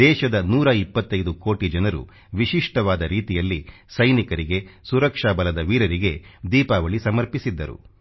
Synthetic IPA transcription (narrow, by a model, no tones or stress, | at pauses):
d̪ɛːʃɐd̪ɐnuːɾɐipːɐt̪ːɐjd̪ukoːʈid͡ʒɐnɐɾṵ | ʋiʃiʂʈɐʋaːd̪ɐɾiːt̪ijɐlːi | sɐjnikɐɾiɡe̞suɾɐkʂaːbɐlɐd̪ɐʋiːɾɐɾiɡe̞d̪iːpaːʋɐɭisɐmɐɾpisid̪ːɐɾṵ